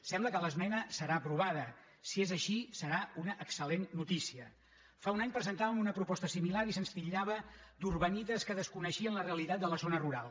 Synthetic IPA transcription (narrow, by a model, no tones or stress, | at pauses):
sɛmbləkələzmɛnəsəɾaːpɾuβ̞að̞ə | siezəʃisəɾaunəʔəksəlenːut̪isiə | faunaɲpɾəzənt̪aβəmunəpɾupɔst̪əsimilaɾisənspiʎaβ̞əd̪uɾβənit̪əskəðəskunəʃiənləreəlit̪at̪̚d̪ələzonəruɾalˠ